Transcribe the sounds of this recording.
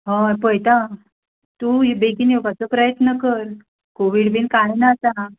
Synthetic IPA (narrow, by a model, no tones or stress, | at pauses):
ɦɔ̃pəjt̪ã | t̪uɦibekinewkat͡səpɾəjət̪nəkəɾ | koʋiɽbinkajnat̪a